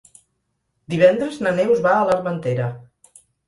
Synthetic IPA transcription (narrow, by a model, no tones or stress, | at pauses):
d̪iβ̞ɛnd̪ɾəznənewzβaələɾmənt̪eɾə